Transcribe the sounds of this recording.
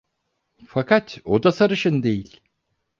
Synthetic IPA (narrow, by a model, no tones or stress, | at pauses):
fakʰat̪od̪asaɾɯʃɯnd̪e̞jilʲ